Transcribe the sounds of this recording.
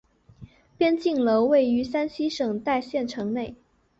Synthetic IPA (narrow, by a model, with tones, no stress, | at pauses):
pjɛ˥nt͡ɕi˥˩ŋlo˧˥ʊwe˥˩ɪy˧˥sa˥nɕi˥ʂɤ˨˩ŋt̪a˥˧ɪɕjɛ˥˩nʈ͡ʂʰɤ˧˥ŋne˥˩ɪ